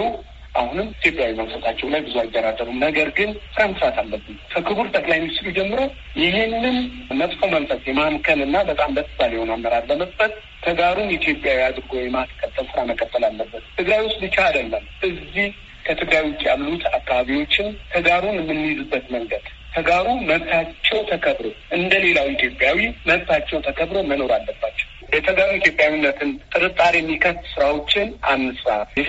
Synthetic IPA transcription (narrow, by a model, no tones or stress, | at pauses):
u | ʔahunɨmit̪ʰjo̞pʼjawiməksət̪ʰat͡ʃːɛwlajbɨzuajd̪əɾad̪əɾumnəɡəɾɡɨnsɨɾaməsɨɾat̪ʰalːəbːɨmkʰəkʰɨβɨɾt̪ʼəkʼlajmst̪ɾud͡ʒɛmːɨɾow | jɪɦenːɨnmət̪ʼfo̞məlfət̪ʼjɛmamkʰəlɨnːabət̪ʼambət̪ʰːɨbaljɛhonamːəɾaɾbəməst̪ət̪ | t̪ʰəɡaɾunjɛit̪jopʼjawiad̪ɨɾɡowɔjɛmaskʼːət̪ʼːəlsɨɾaməkʼət̪ːəlalːəbːət̪t̪ʰːɨɡɾajwʊst̪ʼbɨt͡ʃːaad̪əlːəmʔɨzːih | kʰət̪ʰɨɡɾajwʊkʼiaβlut̪ʰakʰːaβaβiwo̞t͡ʃːɪnt̪ʰəɡaɾunmːɨnːizɨbːət̪məŋɡəd̪̥ | k̪ʰəɡaɾuməβt̪ʰat͡ʃːɛwt̪ʰəkʰəβɾo̞ʔɨnd̪əle̞lawit̪jo̞pʼjawiməβt̪ʰat͡ʃːɛwt̪ʰəkʰəβɾo̞məno̞ɾalːəbːat͡ʃːɛ̥wjɛt̪ʰəɡaɾunit̪jo̞pʼjawinːət̪ʰɨnt̪ʼɨɾɨt̪ʼːaɾjɛmːikʰəst̪sɨɾawo̞t͡ʃːɪnamːɨsɾaβjɛ